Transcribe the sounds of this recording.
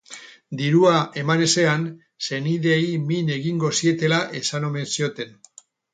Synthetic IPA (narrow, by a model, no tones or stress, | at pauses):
d̪iɾuae̞mane̞se̞an | se̞niðe̞jmine̞ɣiŋɡo̞sie̞t̪e̞laʔe̞sano̞me̞nsio̞t̪e̞n